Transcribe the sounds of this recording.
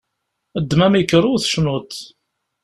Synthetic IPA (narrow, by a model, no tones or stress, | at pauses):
əd̪ːmæmikːəɾˤʊθʃnʊt̪